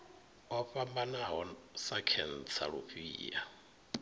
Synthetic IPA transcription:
ɔɸambanaɦɔsakʰɛn̩t͡sʰa̰ɺṵɸḭːʔa̰

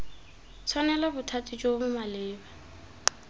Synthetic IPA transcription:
t͡sʰwanɛlabʊtʰatʼid͡ʒobʊmalɪːba

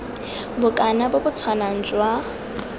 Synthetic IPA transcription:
bʊkʼanabʊbʊt͡sʰwanaŋ̩d͡ʒʼwa

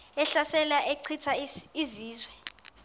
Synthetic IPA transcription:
ɛɬasɛlaʔeǀʰitʰaiziːzwɛ

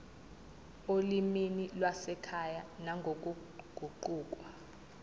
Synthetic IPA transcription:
oliminilwasɛkʰajanaŋɡʱok̬ʼu | ɡ̥ʱuǃuːk̬ʼwa

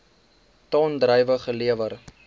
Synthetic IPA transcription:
tɑːndɾəjvəχəliəvər

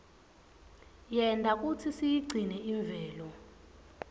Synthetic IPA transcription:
jɛndʱak̬ʼutʰisijiɡ͡ǀʱinɛiɱbvʱɛːlɔ

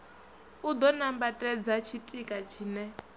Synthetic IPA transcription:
ud̪ɔnambatʼɛd͡zat͡ʃʰitʼikʼat͡ʃʰiːnɛ

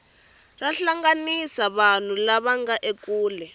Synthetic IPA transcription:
raɬaŋɡanisaβan̤ulaβaŋɡaʔekuːlɛ

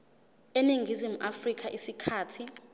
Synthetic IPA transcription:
eniŋʱizimuʔafrik̬ʰʼaʔisikʰaːtʰi

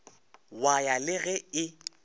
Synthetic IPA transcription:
wajalɪɣɛɪ

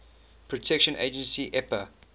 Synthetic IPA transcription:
pʰɹɔtʰɛkʃə̃nʔḛɪd͡ʒə̃nsiʔɛpə

